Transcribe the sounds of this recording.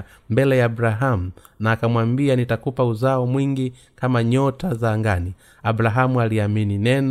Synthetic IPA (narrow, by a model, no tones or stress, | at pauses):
mbɛlɛjaːbɾaɦamu | naːkamwambianitakupauzaɔmwiŋɡi | kamaɲɔtazaːŋɡani | aɓɾaɦamualiamininɛn